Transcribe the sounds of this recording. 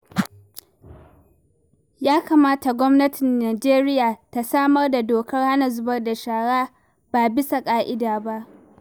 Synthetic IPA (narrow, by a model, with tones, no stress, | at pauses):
jaː˦kaː˨maː˦ta˨ɡʷɔ˦mnɐ˦tɪ˨nːaː˨d͡ʒeː˦ɾɪ˦jaː˨ta˨saː˦mɐ˦rda˨doː˨kɐ˦rha˦na˨zʊ˦bɐ˦rda˨ʃaː˨ɽaː˦ | b̥aː˨bɪ˦sa˨kʼaː˦ʔɪ˦daː˨ba˦ʔ